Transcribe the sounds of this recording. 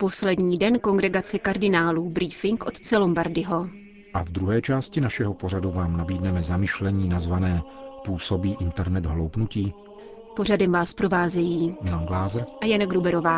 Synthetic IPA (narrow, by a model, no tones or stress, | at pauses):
po̞slɛdɲiːdɛnko̞ŋɡɾɛɡat͡sɛkaɾdɪnaːluːbɾiːfɪŋkʔot̪t͡sɛlo̞mbaɾdɪɦo̞ | ʔavd̪ɾuɦɛːt͡ʃaːscɪnaʃɛɦo̞po̞ɾaduvaːmnabiːdnɛmɛzamɪʃlɛɲiːnazvanɛːpuːso̞biːʔɪnt̪ɛɾnɛd̪ɦlo̞wpnuciː | po̞radɛmvaːspɾo̞vaːzɛjiːmɪlanɡlaːzɾʔajanaɡɾubɛɾovaː